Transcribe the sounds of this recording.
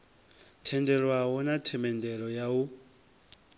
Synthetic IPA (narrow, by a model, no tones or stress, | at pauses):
tʰɛndɛɺwaɦɔnatʰɛmɛndɛɺɔjau